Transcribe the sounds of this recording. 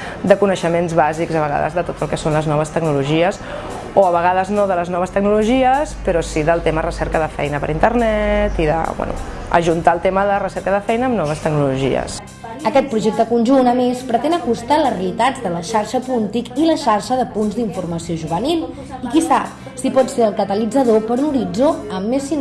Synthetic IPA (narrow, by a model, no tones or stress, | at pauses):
d̪əkunəʃəmenzβazikzəβəɣa̰ðə̰zðət̪ot̪əlˠkɛsonləznɔβ̞əst̪əɡnuluʒiəs | oəβəɣ̞aðəznoðələznɔβəst̪əɡ̚nuluʒiəspəɾɔsiðəlˠt̪emərəsɛɾkəðəfɛ̰jnəpəɾint̪ərnɛt̪iðə̰bwɛ̰nṵ | ə̰ʒunt̪aəlˠt̪eməðərəsɛɾkəðəfɛjnəːmnɔβəst̪əɡnuluʒḭə̰s | əkɛt̪̚pɾuʒek̚t̪əkunʲʒunəmespɾət̪ɛnəkust̪alərelit̪ad͡zd̪ələʃaɾʃəpunt̪ikiləʃaɾʃəðəpunzd̪iɱfurməsioʒuβənilˠ | ikisap̚ | sipɔtseəlˠkət̪əlid͡zəðopəɾunuɾid͡zoəmːesi